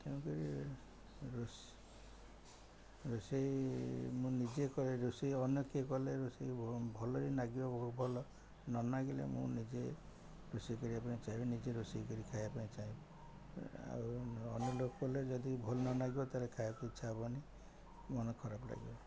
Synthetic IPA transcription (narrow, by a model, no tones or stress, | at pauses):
k̪eũkɔɾi | ɾos | ɾusejmũnid͡ʒekɔɾeɾusiɔnjɔkekɔleɾusebʱɔlɔɾinaɡibɔbɔɦubʱɔlɔ | nɔnaɡilḛmṵ̃nid͡ʒe | ɾusikɔɾiapãĩt͡ʃaɦĩbɔnid͡ʒeɾusikɔɾikʰajapaĩt͡ʃaĩbɔ | a̰ɔnjɔlokɔkɔled͡ʒɔd̪ibʱɔlɔnɔnaɡibɔt̪alekʰajapaĩt͡ʃʰabɔni | mɔnɔkʰɔɾabla̰ɡḭbɔ